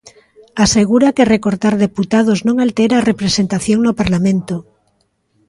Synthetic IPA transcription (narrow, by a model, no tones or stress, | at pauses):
aseɣ̞uɾakerekoɾt̪aɾðeput̪að̞oznõŋalt̪eɾaːrepɾesent̪aθjoŋnopaɾlamẽnt̪o